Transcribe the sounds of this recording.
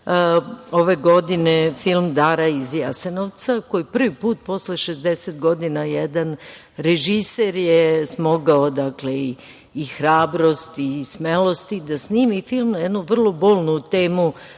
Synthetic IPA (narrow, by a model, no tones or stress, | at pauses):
o̞ʋe̞ɡo̞d̪inefilˠmd̪aɾaizjasenoʋt̪sako̞jipr̩ʋipuːt̪̚po̞sleʃezd̪e̞set̪ɡo̞d̪inajed̪an | ɾeʒiseɾjesmo̞ɡaod̪akle̞iː | xɾaːbɾo̞st̪ismelo̞st̪id̪asniːmifilˠmnjed̪nuʋr̩lˠo̞bo̞ːlˠnut̪e̞ːmu